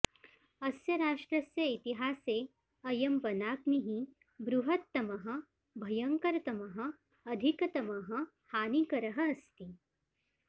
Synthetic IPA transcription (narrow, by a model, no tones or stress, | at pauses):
ɐsjɐɾaːʂʈɾɐsjɐit̪iɦaːseː | ɐjɐmbɐnaːkniɦĩ | bɾuɦɐt̪ːɐmɐɦɐ̆ | bʱɐjɐŋkɐɾɐt̪ɐmɐɦɐ̆ | ɐd̪ʱikɐt̪ɐmɐɦɐ̆ | haːnikɐɾɐɦɐ̆ɐst̪i